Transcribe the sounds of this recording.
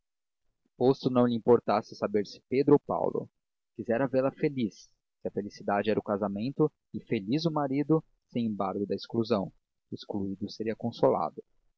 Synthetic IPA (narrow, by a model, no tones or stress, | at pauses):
post̪ʊnɐ̃w̃lɪĩpoɾt̪asɪsabeɾsɪ̥ped̪ɾʊopa̰wlʊ̰ | kizɛɾɐveɾlɐfelisː | ɪɐfelisid̪ad͡ʒɪɛɾɐʊkazamẽnt̪ʊ | ɪfelizʊmaɾid̪ʊ | sẽj̃ẽmbaɾɡʊd̪ɐeskluzɐ̃w̃ | eskluid̪ʊseɾiɐkõsola̰d̪ʊ